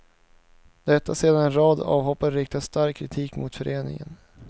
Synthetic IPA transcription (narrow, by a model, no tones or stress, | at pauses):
d̪ɛt̪ːaseːd̪anɛnɾɑːd̪ɑ̰ːvhɔpːaɾɾɪk̚t̪ʰast̪aɾkʰːɾɪt̪ʰiːkmʊt̪fœɾʔeːnɪ̰ŋə̰n